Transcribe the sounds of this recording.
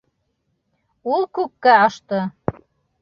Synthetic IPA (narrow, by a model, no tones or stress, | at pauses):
ulˠkʉkːæɑʃt̪ɤ